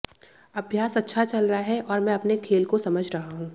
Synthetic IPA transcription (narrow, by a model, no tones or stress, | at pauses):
ɐbʱjaːsɐtːʃʰat͡ʃɐlɾɐaɦɛʔɔːɾmɛ̃ɐpnekʰeːlkosɐməd͡ʒʱɾɐɦaɦũː